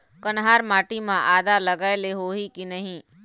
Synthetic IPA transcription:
kɐnɦaːɾmaːʈimãʔaːd̪alɐɡaːeleɦoːɦikinɐɦĩ

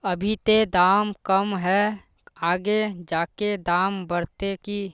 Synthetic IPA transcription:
əbʱit̪ed̪aːmkəmɦɛ | aːɡed͡ʒaːked̪aːmbəɾt̪eki

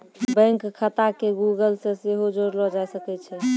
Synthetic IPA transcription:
bə̃ŋkkʰːət̪akeɡuɡəlsẽseɦod͡ʒoɾlɔd͡ʒasəkɛt͡ʃʰɛ

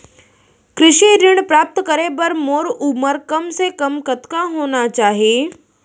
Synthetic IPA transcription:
kɾɪʃiɾɪɳ̃pɾaːp̚t̪kəɾebəɾmoːɾuməɾkɐmsekɐmkət̪kaɦoːnat͡ʃaːɦie

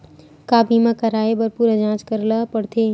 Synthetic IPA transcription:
kaːbimãkɐɾaːebɐɾpuːɾad͡ʒãːt͡ʃkəɾlapəɽt̪ʰeː

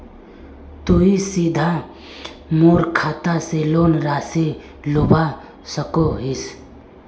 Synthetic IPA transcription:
t̪uisiːd̪ʱa | moːɾkʰaːt̪aseloːnɾaːse | lʊba | səkoɦis

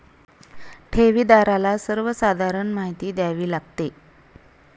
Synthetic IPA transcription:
ʈʰeʋiːd̪aɾalasəɾʋəsad̪ʱaɾəɳmaɦit̪iːd̪jaʋiːlaɡt̪e

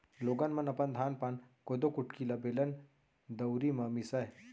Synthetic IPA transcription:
loːɡɐnmɐnɐpɐnd̪ʱaːnpankod̪okʊʈkilɐbelɐn | d̪ɐwɾimɐmisɐɦ

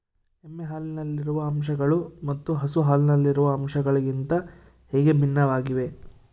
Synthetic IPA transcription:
emːeɦaːlinɐlːiɾuʋɐːmʃɐɡɐɭumɐt̪ːuɦɐsuɦaːlinɐlːiɾuʋɐːmʃɐɡɐɭiɡint̪ɐ | heːɡe̞bʱinːɐʋaːɡiʋe̞

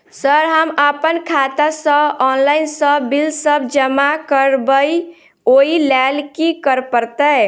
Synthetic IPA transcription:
səɾɦəməpənkʰat̪asəbɔnlainsəbilsəbʱd͡ʒəmakəɾbəj | oilɛlkikəɾpəɾt̪ə

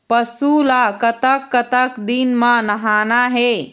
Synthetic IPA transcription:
pəsulakət̪əkːət̪əkd̪inmãnəɦaːnaɦe

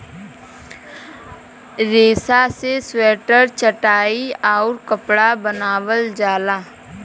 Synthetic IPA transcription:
ɾeːsaseswɛːʈəɾt͡ʃəʈaːiaːɾkəpɽabənaːʋəld͡ʒaːlaː

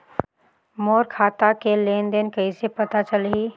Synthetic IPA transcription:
moːɾkʰaːt̪akeleːnd̪enkɐisepɐt̪at͡ʃəlɦiː

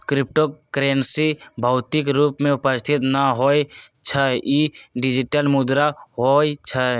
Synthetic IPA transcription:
kɾɪp̚ʈokɾensibʱaːt̪ikɾuːpmẽʊpəst̪ʰɪt̪naɦojt͡ʃʰəiɖɪd͡ʒiʈəlmud̪ɾaɦoit͡ʃʰə

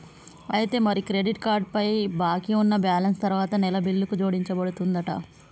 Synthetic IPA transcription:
ɐjt̪e̞ːmɐɾikɾeɖiʈkaːɾɖ̚pɐjbaːkiunːɐbjaːlɐnst̪ɐɾuʋaːt̪ɐnɛlɐbilːukud͡ʒo̞ːɽiɲt͡ʃɐbɐɽut̪und̪ɐʈɐ̰

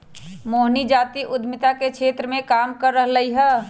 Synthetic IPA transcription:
moːɦnid͡ʒaːt̪iʔʊd̪ʱmɪt̪akekʃʰeːt̪ɾəmẽkaːmkəɾːəɦləiɦɛː

